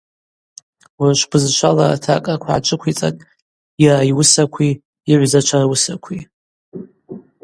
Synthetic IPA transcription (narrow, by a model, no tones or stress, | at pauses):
warʃʷpʰɨzʃʷʰala̰tʰakʼakʷʰaʕa̰t͡ʃʷʼɨkʷʰit͡sʼa̰kʼ | iraiwʊsakʷʰi | iʕʷzat͡ʃʷʰarawʊsakʷʰi